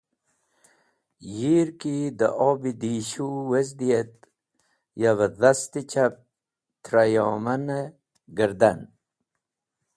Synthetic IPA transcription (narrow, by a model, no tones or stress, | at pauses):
jiːɾkid̪ə̰ʔoːbid̪iɕuwezd̪ijet̪̚ | javəðast̪it͡ɕap̚ | t̪ʰɾajoːmɐne | ɡəɾd̪an